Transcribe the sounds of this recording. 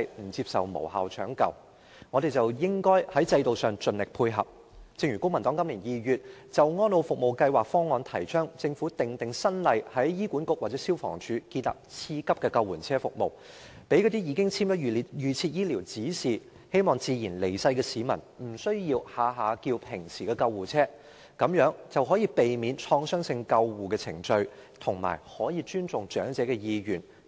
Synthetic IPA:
jm̩˨˩t͡si˧p̚sɐ̰˨wmo̰˨˩wha̰ː˨wt͡ʃʰœː˨˥ŋkɐ̰˧w | ŋɔː˨˧ɾe˨˩jt͡sɐ˨wjɪ˥ŋkɔː˥jhɐ˨˥jt͡sɐ˧jt̪o˨wsœː˨ŋt͡ʃɵ˨nlɪ˨k̚pʰuː˧jɦɐ̰˨p̚ | t͡sɪ˧k̚jyː˨˩kʊ˥ŋmɐ˨˩nt̪ɔː˨˥ŋkɐ˥mliː˨˩njiː˨jyː˨t̚ | t͡sɐ˨wŋɔː˥nlo˧wfʊ˨k̚mo˨˩wkɐ˧jwaː˨k̚fɔː˥ŋːɔː˧nt̪ʰɐ˨˩jt͡ʃʰœː˥ŋt͡sɪ˧ŋfuː˨˥t̪ɪ˨ŋt̪ɪ˨ŋsɐ˥nlɐ˨˧jhɐ˨˥jːiː˥kuː˨˥nkʊ˥k̚waː˨k̚t͡sɛ˨˦˥siː˥wfɔ̰ː˨˩ŋt͡ʃʰyː˨˥kiː˧nla̰ː˨p̚t͡sʰiː˧kɐ˥p̚kɛː˧kɐ˧wuː˨˩nt͡sʰɛː˥fʊ̰˨k̚mo˨w | pe˨˥jkɔː˧t̪i˥jiː˧kɪ˥ŋt͡sʰiː˥mjɔ˥ji˨jyː˨˩t͡sʰiː˧t̚jiː˥liː˨˩wt͡siː˨˥siː˨˩ | he˥jmɔː˨˩ŋt͡siː˨˧jiː˨˩nle˨˩jsɐ˧jkɛː˧siː˨˧mɐ˨˩nm̩˨˩sɵ˥ɥjiː˧whaː˨˥ɦaː˨˧kiː˧wpʰɪ˨˩ŋsʰiː˨˩kɛː˧kɐ˧wwuː˨˩t͡sʰɛː˥ | kɐ˨˥mjœː˨˥ŋt͡sɐ˨wɦɔː˨˥jiː˧pe˨jmiː˨˧nt͡ʃʰɔː˧ŋsœː˥ŋsɪ˧ŋkɐ˧wːuː˨kɛː˧t͡sʰɪ̰˨˩ŋt͡ʃɵ˧ɥt̪ʰʊ˨˩ŋma̰ː˨˩jhɔː˨˥jiː˨˧t͡ʃyː˥nt͡sʊ˨ŋt͡ʃœː˨˥ŋt͡sɛː˨˥kɛ˧jiː˧jyː˨˩n

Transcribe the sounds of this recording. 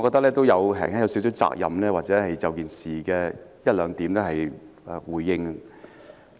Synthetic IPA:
kɔː˧k̚t̪ɐ˥k̚lɛː˥t̪o˥wjɐ˨˧wɦɛ̰ː˨ŋɛː˥jɐ˨˧wsi˨˥sɵ˥t͡sa̰ː˧k̚jɐ̰˨mlɛː˥waː˨t̚t͡sɛː˨˥hɐ˨jt͡sɐ˨wkiː˨nsiː˨kɛː˧jɐ˥t̚lœː˨˧ŋt̪iː˨˥mnɛ˥ɦɐ˨j | wuː˨˩jːɪ˧ŋ˧

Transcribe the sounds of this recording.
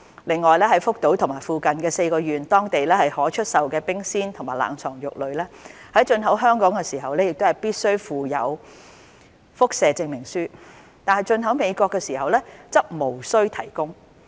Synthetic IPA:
lɪ˨ŋːɔː˨jlɛː˥ɦɐ˨˥jfʊ˥k̚t̪o˨˥wt̪ʰʊ˨˩ŋmaː˨˩jfuː˨kɐ˨nkɛː˧se˧jkɔː˧jyː˨nt̪ɔː˥ŋt̪e˨jlɛː˥hɐ˨jhɔː˨˥t͡ʃʰɵ˥t̚sɐ˨wkɛː˧pɪ˥ŋsiː˥nt̪ʰŋmaː˨˩jla̰ː˨˩ŋt͡sʰɔː˨˩ŋjʊ˨k̚lɵ˨˧ɥlɛː˥hɐ˨˥jt͡ʃɵ˧nɦɐ˨˥wɦœː˥ŋkɔː˨˥ŋkɛː˧siː˨˩ɦɐ˨wlɛː˥jɪ˨k̚t̪o˥hɐ˨˩jpiː˥t̚sɵ˥ɥfuː˨jɐ̰˨˧w | fʊ˥k̚sɛː˨˧t͡sɪ˧ŋmɪ˨˩ŋsyː˥ | t̪aː˨nhɐ˨˩jt͡ʃɵ˧nɦɐ˨˥wme˨˧jkʷɔː˧kːɛː˧siː˨˩ɦɐ˨wlɛː˥t͡sɐ˥p̚mo˨˩wsɵ˥ɥt̪ʰɐ˨˩jkʊ˥ŋ

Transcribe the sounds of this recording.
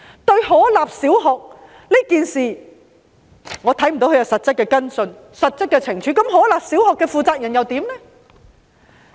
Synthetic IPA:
t̪ɵ˧ɥhɔː˨˥laː˨p̚siː˨˥wɦɔ˨k̚ | li˥kiː˨nsiː˨ | ŋɔː˨˧t̪ʰɐ˨˥jm̩˨˩o˨˥wkʰːjɐ˨wsɐ˨t̚t͡sɐ˥kːɛ˧kɐ˥nsɵ˧n | sɐ˨t̚t͡sɐ˥kːɛ˧t͡sʰɪ˨˩ŋt͡ʃʰyː˨˥kɐ˨˥mɦɔː˨˥laː˨p̚si˨˥wɦɔ˨kːɛ˧fuː˨˧t͡saː˧k̚jɐ˨˩njɐ˨wt̪iː˨˥mlɛ˥

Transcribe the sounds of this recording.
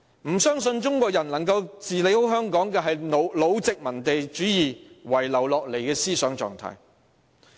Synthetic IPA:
m̩˨˩sœː˥ŋsɵ˧nt͡ʃʊ˥ŋkʷwɔː˧k̚jɐ˨˩nlɐ˨˩ŋkɐ˧wt͡siː˨le˨˥jho˨˥wɦœː˥ŋkɔː˨˥ŋkɛː˧ɦɐ˨jno˨˧wlo˨˧wt͡sɪ˨k̚mɐ˨˩nt̪e˨jt͡ʃyː˨˥jiː˨wɐ˨˩jlɐ˨˩wlɔː˨k̚le˨˩jkɛː˧siː˥sœː˨˥ŋt͡ʃɔ̰ː˨ŋt̪ʰa̰ː˧˥j

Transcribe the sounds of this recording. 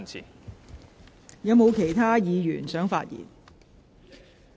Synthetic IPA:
i˨ | jɐ˨˧˥mo˨˧wkʰe˨˩jt̪ʰaː˥jiː˨˧ɥy̰ː˨˩nsœː˨˥ŋfa̰ː˧t̚jḭː˨˩n

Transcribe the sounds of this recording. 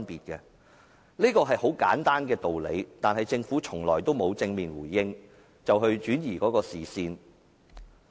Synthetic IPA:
npiː˨˩t̚kɛː˧ | liː˥kɔː˧ɦɐ˨jho˨˥wka̰ː˨˥nt̪aː˥nkɛː˧t̪o˨wlḛ˨˧jt̪aː˨nɦɐ˨jt͡sɪ˧ŋfu˨˥t͡ʃʰʊ˨˩ŋlɔ̰ː˨˩jt̪o˥wmo˨˧wt͡sɪ˧ŋmiː˨nwuː˨˩jːɪ˥ŋ | t͡sɐ˨wɦɵ˧ɥt͡ʃyː˨˥njiː˨˩kɔː˨˥kɔː˧siː˨siː˧n

